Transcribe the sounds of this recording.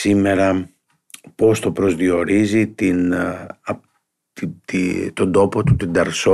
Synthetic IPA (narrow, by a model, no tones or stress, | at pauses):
sime̞ɾɐ | po̞st̪o̞pɾo̞zðio̞ɾizit̪inɐ | t̪t̪it̪o̞nd̪o̞po̞t̪ut̪ind̪ɐɾso